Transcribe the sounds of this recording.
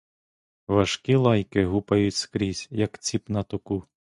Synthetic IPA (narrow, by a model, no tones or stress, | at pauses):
ʋɐʃkilˠɑjkɪɦupɐjʊtʲskɾʲisʲjɐkt͡sʲipnɐt̪ʊku